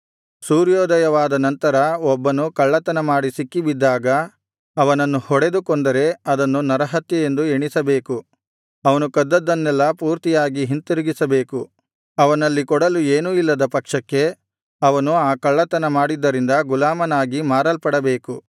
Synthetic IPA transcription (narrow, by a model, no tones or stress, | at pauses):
suːɾjɔːd̪ɐjɐʋaːd̪ɐnɐnt̪ɐɾɐɔbːɐnukɐɭːɐt̪ɐnɐmaːɽisikːibid̪ːaːɡɐ | ɐʋɐnɐnːuhɔɽe̞d̪ukɔnd̪ɐɾe̞ɐd̪ɐnːunɐɾɐɦɐt̪jɐje̞nd̪ueɳisɐbe̞ːku | ɐʋɐnukɐd̪ːɐd̪ːɐnːɛlːɐpuːɾt̪ijaːɡiɦint̪iɾuɡisɐbe̞ːku | ɐʋɐnɐlːikɔɽɐlueːnuilːɐd̪ɐpɐkʂɐkːe̞ | ɐʋɐnuaːkɐɭːɐt̪ɐnɐmaːɽid̪ːɐɾind̪ɐɡulaːmɐnaːɡimaːɾɐlpɐɽɐbe̞ːku